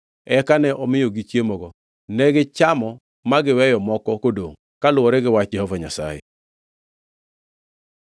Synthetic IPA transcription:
ɛkanɛʔɔmɪjoɡit͡ʃjemɔɡɔ | nɛɡɪt͡ʃamɔ | maɡɪwɛjɔmɔkɔkodoŋ | kalʊwɔɾɛɡɪwat͡ʃd͡ʒɛhɔvaɲasa̰jɛ̰

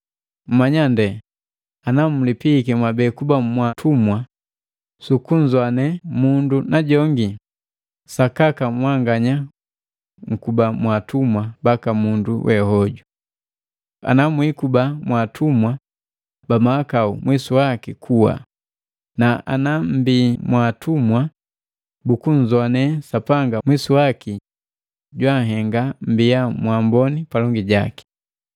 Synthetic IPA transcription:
m̩maɲandɛ | anamulipikɛmwabɛːkubamwatʰumwa | sukuɲd͡ʒwanɛmundunaɟɔŋɡi | sakakamwaŋɡaɲa | ŋ̩kubamwatumwabakamunduwʔɛhɔɟu | a̰namwikubamwatʰumwa | bamaakaumwisuwakikʰuwa̰ | naʔa̰nam̩bimwatumwa | bukuɲ̩zɔanɛsapaŋɡamwisuwaki | ɟwaŋɦɛŋɡam̩bijamwambɔnipalɔŋɡiɟaki̥

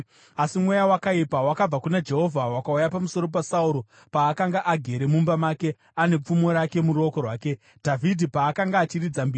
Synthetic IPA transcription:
asimwejawakaipawakab͡vakunad͡ʒe̞ɦo̞vʱawakaujapamuso̞ɾo̞p̬asauɾo̞ | paːkaŋɡaʔaɡʱe̞ɾe̞mumbamaːke | ane̞p͡fumo̞ɾake̞muɾo̞ko̞rwaːke̞ | dʱavʱidʱipaːkaŋɡaːt͡ʃirid͡zambi

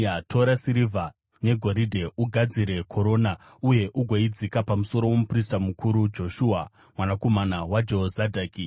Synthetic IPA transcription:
atʰo̞ɾasiɾiva | ne̞ɡʱo̞ɾidʱe̞ʔuɡʱad͡ziɾe̞kʰo̞ɾo̞ːna | uje̞ʔuɡʱoid͡zikapamuso̞ɾo̞womupristamukʰuɾud͡ʒo̞ʃuːa | mwanako̞manawad͡ʒozadʱaːki

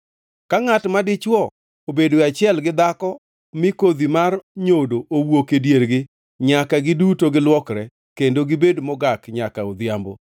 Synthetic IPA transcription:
kaŋatmadɪt͡ʃwɔ | obedoɪat͡ʃɪɛlɡɪd̪akɔ | mɪkod̪imarɲodoʔowokedjeɾɡɪ | ɲakaɡɪdutoɡɪlwɔkɾɛ | kendoɡɪbedmɔɡakɲakaod̪ɪjambo̰

